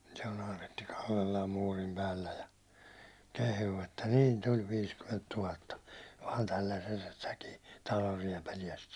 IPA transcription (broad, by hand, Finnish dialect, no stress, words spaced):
se on ɑːretːi kɑlːelːɑːm muːrim pæːlːæ jɑ kehuː etːæ niːn tulʲ ʋiːskymːent tuhɑtːɑ ʋɑːn tælːæsːestækiː tɑlorˑ riɛpæliɛst